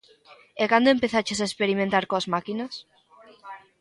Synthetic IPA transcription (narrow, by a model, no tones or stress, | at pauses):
ekand̪oempeθat͡ʃesaespeɾimẽnt̪aɾkoazmakinɐs